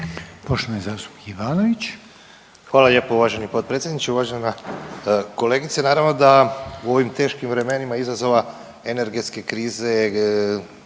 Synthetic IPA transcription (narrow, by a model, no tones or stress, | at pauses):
poʃt̪oʋnjezaːst̪u̥pi̥kiʋaːnoʋit͡ɕ | xʋaːlaʎe̞ːpouʋaʒe̞nipo̞d̪̚pɾet̪sʲjed̪nit͡ʃeuʋaʒena | ko̞le̞ɡit̪senaːɾaʋno̞d̪auo̞ʋimt̪e̞ːʃkimʋɾe̞me̞nimaizazo̞ʋa | e̞ne̞ɾɡe̞t̪ske̞kɾiːze̞